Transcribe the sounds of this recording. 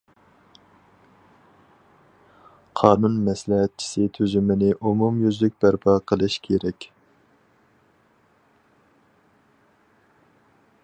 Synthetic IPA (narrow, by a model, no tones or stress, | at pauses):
qʰɑːnunmɛslɪɦɛt̪̚t͡ʃʰi̥sɪt̪ʰyzymɪnɪʔumumjyzlyk̚ʲbæɾpʰɑqʰəlˠɨʃkʲʰeɾɛkʲ